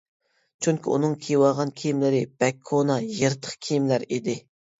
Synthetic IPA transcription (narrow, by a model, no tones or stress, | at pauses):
t͡ʃʰyŋkʲiṵnɨŋkʲʰejwɑʁɑnkʲʰijimlɪɾɪb̥ɛkʰːonɑjeɾt̪ʰə̥χkʲʰijimlæɾid̪ɪ